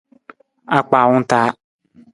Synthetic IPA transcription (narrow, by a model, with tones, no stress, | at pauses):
a˦k͡paː˨wʊ̃˦n̩˦taː˨˦